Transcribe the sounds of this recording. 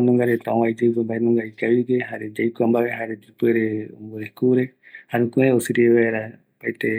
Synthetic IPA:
mũŋɡaɾet̪aõwaid͡ʒepembaemũŋɡaikaβikeɦaɾed͡ʒaikʷambaβeɦaɾed͡ʒupeɾeo̰mboekuɾe | haɾũkueosiɾieβaeɾa | pait̪e

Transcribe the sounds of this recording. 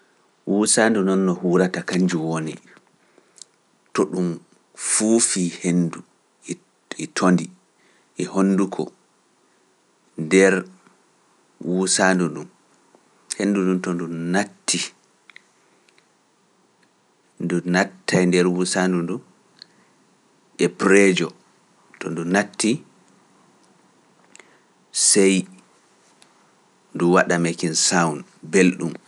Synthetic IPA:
wʔusandunɔnːɔhuːɾatakaɲd͡ʒuwonḭ | tɔɗum | fufiːhendu | ɛtʰondi | ʔɛhonːdukʰɔ̰ | ndɛɾ | wusaːnduɗum | henːduɗumtɔndumnatːi | ndunatːajndɛɾwusandundum | ɛpɾɛd͡ʒɔ | tɔndunatːi | sɛj | nduwaɗamekinsawnbelɗum

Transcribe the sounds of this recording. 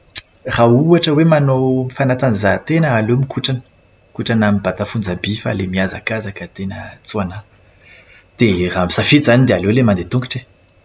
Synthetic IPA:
rauaʈ͡ʂəwemanomifanat̪anizat̪enəːlemikʰuʈ͡ʂanə̥ | kuʈ͡ʂanamibat̪afund͡zabifa̰lemiaza̰kazakət̪enə̰t͡suana | d̪̥eramisafizanid̪ealelemand̪et̪uŋɡuʈ͡ʂe

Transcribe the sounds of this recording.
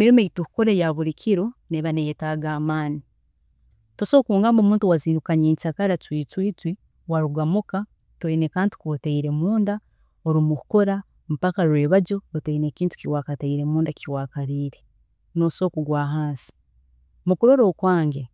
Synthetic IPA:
emiɾimejitukukoɾejaβuɾikʰiɾoneβanejetaːɡaːmaːni | toso̞kuːŋɡaːmbomuːntuwaziːnukaɲeːɲt͡ʃakaɾatwiːt͡swiːt͡swi | waɾuɡamuka | twoinekaːnti̥kwotaiɾe̞muːnda | oɾimukukoɾa | mupakaɾweːβaɟo̞otaine̞ːkiːntu̥kiwakataiɾe̞muːndakiwaːkaɾiːɾe̞ | no̞so̞ːkuɡwaːɦaːnsi̥ | mukuɾoɾoːkwaːŋɡe

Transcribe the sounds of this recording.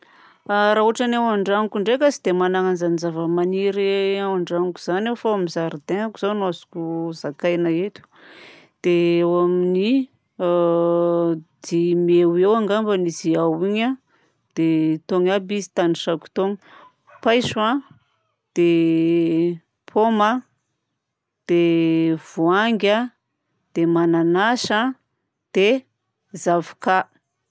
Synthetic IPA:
aɾaɦuaʈ͡ʂanawaɳɖ͡ʐaŋikʲuɳɖ͡ʐekasid̪emanaŋanzanizavəmaniɾeawaɳɖ͡ʐaŋiku̥z̥anewfawamizaɾid̪eŋakuz̥awnazu̥kʲuzakajnaet̪u̥ | d̪̥eawamini | d̪̥imewewaŋɡambəniziawiɲa | d̪̥et̪oŋabizi̥t̪anisaku̥t̪oŋ | pajswa | d̪̥e | pʰoma | d̪̥ev̥uaŋɡʲa | d̪̥emananaʃa | d̪̥e | zavaka

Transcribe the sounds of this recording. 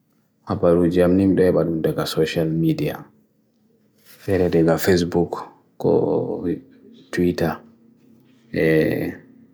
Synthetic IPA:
hapːaɾud͡ʒiamnimɗɛɛɓaɗumdɛɡasɔʃalmidia̰ | ɓɛɾɛdɛɡafes̬buk | kɔ̰ | tuwita | ʔɛ

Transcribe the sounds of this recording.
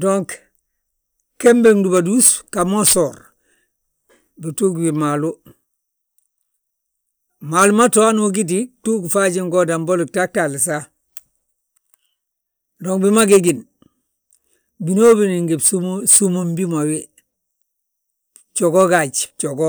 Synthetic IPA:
doŋk | kembeŋdubaduskamosoːɾ | bituɡbimalu | malumatoanoɡit̬ituɡfaɟiŋɡodamboluk̚tak̚talisa | doːŋbimaɡeɡin | binoːbiniŋɡebsumsumumbimawi | t͡ʃoɡoɡad͡ʒt͡ʃoɡo

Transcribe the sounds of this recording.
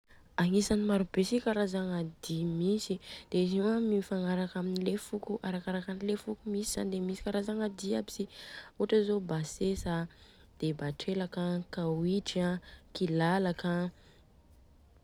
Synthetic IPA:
aŋisanimaɾubesikaɾazaŋad̪imisid̪̥eiziwamifaŋaɾakaminilefukuʔaɾakaɾakanilefukumisiz̥anid̪emisi̥kaɾazaŋad̪iabi̥sioʈ͡ʂəzobasesa | d̪̥ebaʈ͡ʂelakəkawiʈ͡ʂiakilalakə

